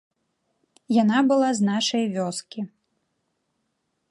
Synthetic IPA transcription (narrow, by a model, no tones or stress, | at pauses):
janabɨlˠaznaʂɐjvʲɔskʲi